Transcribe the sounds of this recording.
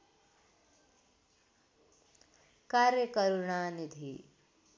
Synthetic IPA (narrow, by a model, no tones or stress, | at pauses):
kaːɾjəkəɾuɳaːnid̪ʱḭ